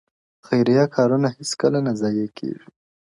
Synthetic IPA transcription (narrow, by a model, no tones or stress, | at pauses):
xajɾijɑkʰɑɾunahɪskəlanazɑjekʰḛʐi